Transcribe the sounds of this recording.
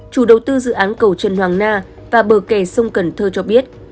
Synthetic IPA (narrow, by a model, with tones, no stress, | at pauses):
t͡ɕu˧˩ɗə˨˩wt̪ɨ˧zɨ̰˧˨ʔaː˨˦nkə˨˩wt͡ɕə˨˩nhwaː˨˩ŋnaː˧ | vaː˨˩ɓəː˧˩kɛ˧˩sə˧wŋ͡mkə˨˧˩nt̪ʰəː˧t͡ɕɔ˧ɓi˦˥ət̚